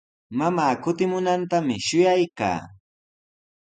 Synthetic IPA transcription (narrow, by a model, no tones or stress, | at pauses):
mamaːkʊt̪ɪmʊnant̪amɪʃʊjajka̰ː